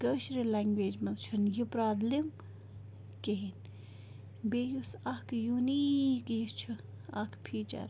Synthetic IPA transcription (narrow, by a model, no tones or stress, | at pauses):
ɡəʃɾilaːŋɡʋeːd͡ʒmɐlt͡ʃʰunjipɾaːd̪lim | keɦin | beːjusakjunikjist͡ʃʰu | ɐkʰpʰiːt͡ʃɐ̰ɾ